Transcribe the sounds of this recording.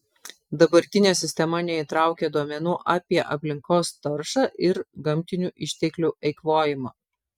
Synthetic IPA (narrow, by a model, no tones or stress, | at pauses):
d̪ɐbɐɾʲt̪ʲɪnʲeːsʲɪsʲt̪ʲɛmɐnʲɛit̪ɾɑˑʊkʲɛd̪uɔmʲɛnuːʔɑːpʲiɛʔɐ̰pʲlʲɪŋkoːst̪ɐɾʃɑːʔɪɾɡɐmʲt̪ʲɪnʲuʔɪʃʲt̪ʲɛklʲuʔɛɪkʋoːjɪmɐː